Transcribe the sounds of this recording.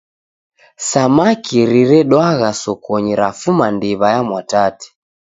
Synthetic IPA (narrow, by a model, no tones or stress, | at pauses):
samakiɾiɾɛɗwaɣasɔkɔɲiɾafumandiβajamwatati̥